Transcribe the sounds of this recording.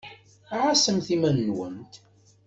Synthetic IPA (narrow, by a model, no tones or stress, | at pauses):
ʕasəmθimænːwə̰nt̪